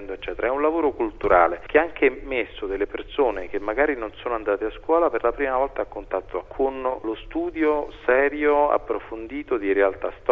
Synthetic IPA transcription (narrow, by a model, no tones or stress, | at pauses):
nd̪oet͡ʃːɛːt̪eɾaɛunlavoːɾokult̪uɾaːlek̟eaaŋk̟eɛmːesːod̪elːepersoːnek̟emːaɡaːɾinonsoːnoand̪aːt̪easkwɔːlaperlapɾiːmavɔlt̪aːkːont̪at̪ːokʰonlost̪uːd̪jossɛːɾjoa̰pːɾofond̪iːt̪od̪iɾealt̪ast̪